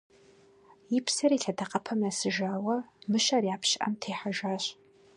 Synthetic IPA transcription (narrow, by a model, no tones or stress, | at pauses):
jɪpsɐriːɬɐdʰɐqɐpʰɐmɐsɨʒaːwɐmɨʃɐrjaːpɕɪʔɐ̰mtʰeːħaʒaːɕ